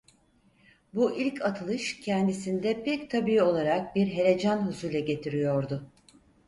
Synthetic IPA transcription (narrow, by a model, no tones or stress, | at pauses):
buʔilʲcʰat̪ʰɯlˠɯʃcʰɛnd̪isind̪ɛpʰɛct̪ʰabiio̞lˠaɾak̚biɾɦe̞ɾe̞d͡ʒanɦuzujlʲɛɟe̞t̪ʰiɾijo̞ɾd̪ʊ